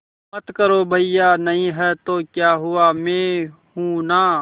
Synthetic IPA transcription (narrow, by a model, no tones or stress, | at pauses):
mət̪kəɾobʱəijanɐɦĩɦɛt̪oːkjaːɦʊamẽːɦũːnaː